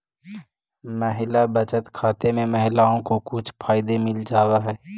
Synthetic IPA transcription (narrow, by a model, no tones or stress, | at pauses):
məɦɪlabət͡ʃət̪kʰaːt̪emẽmɐɦɪlaːõkokʊt͡ʃʰpʰaːɪd̪emɪld͡ʒaːwaɦɛː